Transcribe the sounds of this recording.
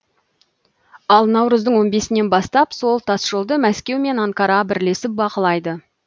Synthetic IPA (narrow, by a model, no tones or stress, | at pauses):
ɑlˠnɑwɾəzd̪əɴwo̞nbe̞sɪne̞nbɑst̪ɑpso̞lˠt̪ʰɑsʒ̥olˠd̪əmæskʲe̞wme̞nɑŋkɑɾɑbɪɾle̞sɪp̚bɑqəlˠɑjd̪ə